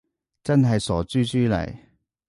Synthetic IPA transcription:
t͡sɐ˥nɦɐ˨jsɔː˨˥t͡syː˥t͡ʃyː˥lɐ̰˨˩j

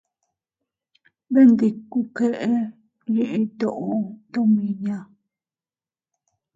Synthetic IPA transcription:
βe˦nd̪i˧ku˧ke˧ʔe˦ | jĩ˦˧ʔĩ˧t̪o˦˨ʔo˧t̪õ˦mĩ˧jã˧

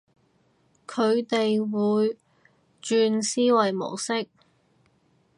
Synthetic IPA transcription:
kʰɵ˨˧ɥt̪e˨jwuː˨˧j | t͡ʃyː˧nsiː˥wɐ˨˩jmo̰˨˩wsɪ˥k̚

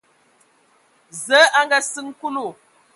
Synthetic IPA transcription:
zə˨˦ʔa˦ŋɡa˨sɨ˦ŋ˦ku˦lu˨

